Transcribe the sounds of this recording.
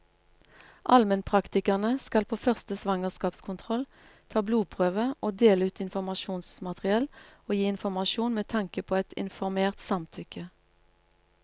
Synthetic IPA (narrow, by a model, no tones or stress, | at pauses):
ʔɑ̰lmənpʰʁɑkt̪ɪkɑʁnəskɑlpʰoːfœʁst̪əsʋɑŋəʁskɑːpskʰʊnt̪ʰʁɔl | t̪ʰɑːbluːpʰʁøːʋəʔoːd̪eːləʉːt̪ɪnfɔʁmɑʃuːnsmɑt̪ʁɪɛloːjiːɪnfɔmɑʃuːnmeːt̪ʰɑŋkəpʰoːɛt̪ɪ̰nfɔʁmeːʁt̪sɑmt̪ʰʏkə